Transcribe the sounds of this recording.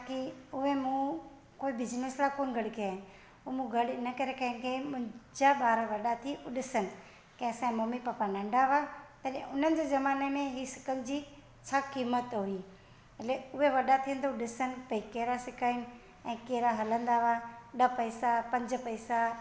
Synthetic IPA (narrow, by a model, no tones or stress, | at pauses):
akiʊɦemũ | koːibɪd͡ʑneslakoːnɡʱɐɽkeaːɦɪn | umũɡʱɐɽɪnəkɐɾekɐ̃ɦɪ̃ŋkʰemʊ̃ɦɪ̃d͡ʑaɓaːɾaʋɐɗat̪ʰiʊɗɪsənɪ̆ | kɛ̃ːsãmomipapanɐ̃ɳɖʱaʋat̪ɐɗẽʊn̤ənɪ̆d͡ʑeːzɐmaːnemẽɦisɪ̥kənd͡ʑiː | t͡ɕʰaːkiːmət̪ɦʊi | ɐleʊɦeʋɐɗat̪ʰiən̆t̪ʰoɗɪsənɪ̆pɐikeːɾasɪkʰaːɪnɪ̆ | ɛ̃ːkeːɾaɦɐlə̃nd̪aʋaɗɐpɐisapɐ̃ɲd͡ʑpɐisa